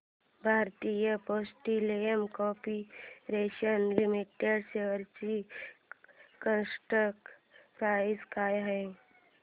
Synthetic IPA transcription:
bʱaːɾt̪ijəpoːsʈilejəmkɔːpiɾeːʃənlɪmiʈeɖseəɾt͡ʃi | kənsʈəkpɾaːɪskaːjaɦɛ̃

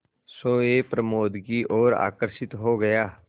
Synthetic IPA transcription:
soːepɾɐmoːd̪ɡiʔɔːɾa̰ːkəɾʃɪt̪ɦoɡɐjaː

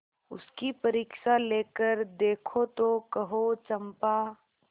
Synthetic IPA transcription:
ʊskipɐɾiːkʃaleːkəɾd̪eːkʰot̪okɐɦot͡ʃɐmpaː

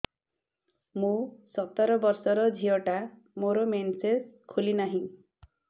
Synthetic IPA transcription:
mũsɔt̪ɔɾɔbɔɾsɔɾɔd͡ʒʱijɔʈa | moɾɔmenseskʰulinaɦĩ

